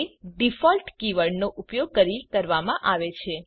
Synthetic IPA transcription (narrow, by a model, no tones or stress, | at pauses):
ɖifɔlʈkiʋəɽnoʔupjoɡ̚kəɾikəɾʋamãʔaʋet͡ʃʰe